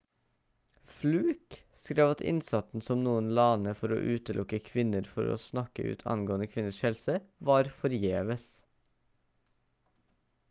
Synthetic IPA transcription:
flʉːk | skɾeːʋɑt̪ʰɪ̰nsɑt̪n̩sɔmnuːənlɑːnəfɔɾo̰ːʔʉːt̪əlʊkəkʰʋɪnəɾfɔɾo̰ːsnɑkə̰ʔʉ̰ːt̪ʰɑ̰nɡoːənəkʰʋɪnəʃhɛlsəʋɑːɾfɔɾjeːʋəs

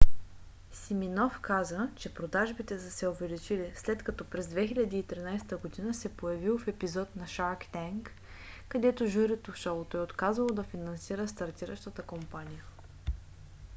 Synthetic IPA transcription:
siminɔfkazət͡ʃɛpɾod̪aʒbit̪ɛsəsɛʊvɛlit͡ʃilislɛt̪kɐt̪ɔpɾɛzd̪vɛxilʲɐd̪iːt̪ɾinajst̪əɡod̪inəsɛpojɐvilˠfɛpizɔt̪nɐʃaɾkt̪ɛŋkː | ɐd̪ɛt̪oʒuɾɛt̪ofʃalˠt̪ɔot̪kazəlˠod̪ɐfinɐnsiɾəst̪ɐɾt̪iɾəʃt̪ət̪əkompanʲijə

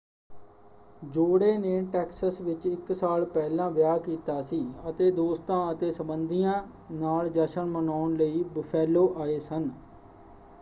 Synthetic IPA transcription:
d͡ʒoːɽeːneːʈɛːksəsʋɪt͡ʃɪksaːlpɛːlãːʋjaːkiːt̪aːsiːət̪eːd̪oːst̪ãːət̪eːsəbənd̪ijãː | naːld͡ʒəʃəɳmənaːʊɳləiːbəpʰɛːloːʔaːeːsən

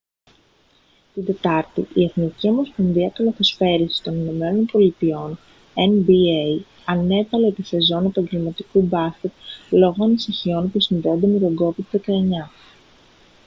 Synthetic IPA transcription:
t̪ind̪e̞t̪ɐɾt̪ḭʔie̞θniciomo̞sponðiɐkɐloθesfe̞ɾisi̥t̪o̞nino̞me̞no̞npo̞lit̪io̞n | enbie | ɐne̞vɐle̞t̪ise̞zo̞ne̞pɐɲɟe̞lmɐt̪ikubɐsce̞t̪lo̞ɣo̞ɐnisiçio̞npusinðe̞ond̪e̞me̞t̪oɡo̞vid̪ðe̞kɐe̞ɲɐ

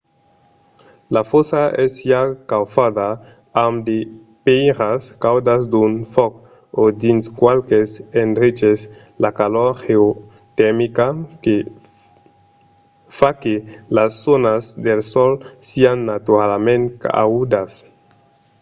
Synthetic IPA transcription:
lafosaɛsjakawfaða | amd̪e | pejɾaskawd̪azd̪unfɔk | od̪inskwalkesenɾit͡ʃes | lakaloɾheo | t̪ɛmikake | fakelasːonazd̪elsɔlsianːat̪uɾalmẽnt̪a̰ud̪as

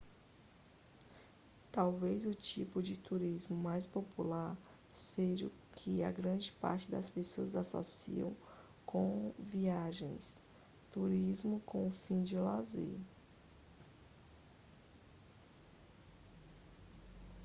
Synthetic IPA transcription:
t̪awvezʊt͡ʃipʊd͡ʒɪt̪uɾizmʊmajspopulaɾ | seʒʊ | kʰɪɐɡɾɐ̃d͡ʒɪpa̰ɾt͡ʃɪd̪ɐspesoɐzaso̰sḭɐ̰̃w̃ | kʰõviaʒẽj̃s | t̪uɾizmʊkõʊfĩd͡ʒɪla̰zḛ

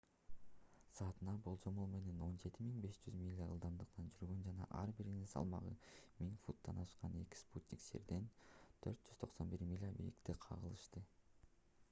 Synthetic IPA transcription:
sɑːt̪ɯnɑbulˠd͡ʒo̞molˠme̞ne̞no̞nd͡ʒe̞t̪imiŋbe̞ʃd͡ʒyzmʲilʲːaɯ̰lˠd̪ɑnd̪ɯqnɑnd͡ʒyɾɡø̞nd͡ʒɑnɑ̰ʔɑɾbiɾininsɑ̰lˠmɑ̰ʁɯ̰miŋfut̪ːɑnɑʃqɑne̞̰ki̥sput̪ʲnʲiksḛɾd̪e̞nt̪ʰø̞ɾt̪̚d͡ʒ̥yz̥t̪ʰo̞qso̞nbiɾmʲilʲabḭlḭkt̪iqʰɑ̰ʁɯ̰lˠɯʃt̪ɯ

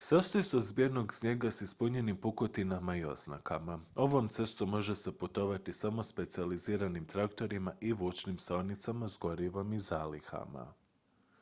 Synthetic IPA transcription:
sast̪ojeseod̪zbieno̞ɡsɲe̞ɡasispuɲe̞nimpukot̪inamaio̞̰z̥na̰kʰamao̞ʋo̞mt̪se̞st̪omo̞ʒe̞se̞put̪o̞ʋat̪isamo̞spe̞t̪sializiːɾanimt̪ɾakt̪o̞ɾimaʔiʋuːt͡ʃnimso̞nit̪samazɡo̞ɾiʋo̞mizaːlixa̰ma̰

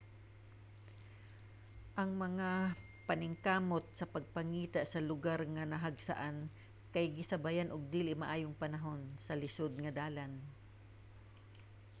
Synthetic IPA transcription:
ʔɐŋmɐŋa | pɐnɪŋkaːmot̪̚sɐpɐɡ̚pɐŋiːt̪aʔsɐlʊɡaɾŋɐnɐɦɐɡsɐ̰ʔan | kɐjɡɪsɐbajanʔʊɡ̚d̪iːlɪʔmɐʔaːjoŋpɐnɐɦo̞nsɐlɪsod̪̚ŋɐd̪aːlan

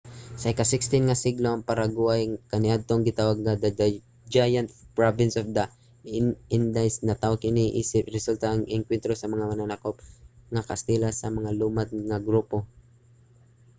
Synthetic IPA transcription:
sɐʔɪkasɪkst̪ɪnŋɐsɪɡloʔɐŋpaɾaɡʊwajkɐnɪʔad̪̚t̪oŋɡɪt̪awaɡ̚ŋad̪ɐɐ | d͡ʒajant̪̚pɹabɪnsofd̪ɐ | ɪnd̪ajsnɐt̪awaɡɪniʔḭːsɪp̚ɾɛsult̪aʔːŋɪŋkwɛnt̪ɾosɐmɐŋamɐnanakop̚ŋakɐ̰st̪ilasɐmɐŋalumad̪̚ŋɐɡɾupo̞

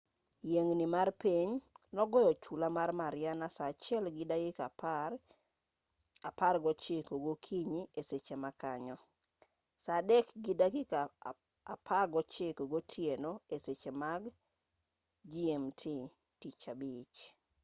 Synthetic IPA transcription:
jeŋnimarpiɲnɔɡɔjɔt͡ʃulamarmaɾjanasat͡ʃɛlɡɪdaɡɪkap | aparɡɔt͡ʃɪkoɡokʰiɲieset͡ʃemakaɲɔ | sadɛkɡidaɡɪ | a̰pʰarɡɔt͡ʃekoɡotʰjenoeset͡ʃemaɡ | d͡ʒiemtʰi | tit͡ʃabit͡ʃ

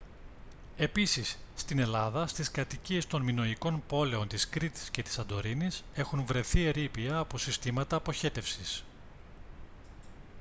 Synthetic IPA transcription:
e̞pisisːt̪ine̞lɐðɐst̪iskɐt̪icie̞st̪o̞nmino̞iko̞npo̞le̞o̞nt̪iskɾit̪i̥sce̞t̪i̥sɐnd̪o̞ɾinise̞xunvɾe̞θie̞ɾipiɐːpo̞sist̪imɐt̪ɐːpo̞çe̞t̪e̞fsis

